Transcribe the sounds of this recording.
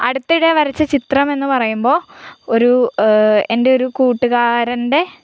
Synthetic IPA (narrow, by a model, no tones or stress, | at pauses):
ɐ̰ɽut̪ːiɽeʋɐɾɐt͡ɕːɐt͡ɕit̪rɐme̞nːɨpɐrɐjumbo̞ːoɾu | e̞nde̞o̞ɾukuːʈːuɣaːɾɐnde̞